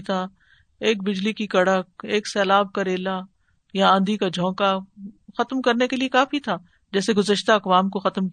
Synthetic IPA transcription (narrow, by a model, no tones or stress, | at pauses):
t̪ʰa | eːk̚bɪd͡ʒlikikɐɽək̚eːksɛːlaːb̚kaɾeːla | jaãːnd̪ʱikad͡ʒʱɔ̃ːkaxɐt̪mkɐɾnekeliekaːfit̪ʰaː | d͡ʒɛːseɡʊzəʃt̪aɐkʋaːmkoxɐt̪m